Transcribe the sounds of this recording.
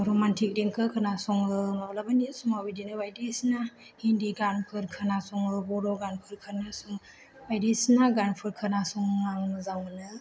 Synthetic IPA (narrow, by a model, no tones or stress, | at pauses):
ɾɔmantʰik̚diŋkʰɯkʰɯnasɔŋɯmalabanisuŋabidinɯbajdesna | hindiɡanpʰɯɾkʰanasɔŋbɔɾɔɡanpʰɯɾkʰɯnasuŋ | bajdesnaɡanpʰɯɾkʰɯnasɔŋŋaŋmɯzaŋmɯnɯ